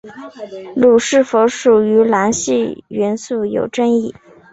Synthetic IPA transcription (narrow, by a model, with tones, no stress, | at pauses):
lu˨˩ʂɻ̩˥˩fo˧˥ʊʂu˨˩y˧˥la˧˥nɕi˥˩ɥɛ˧˥nsu˥˩jo̰˨˩ʊʈ͡ʂə˥ni˥˩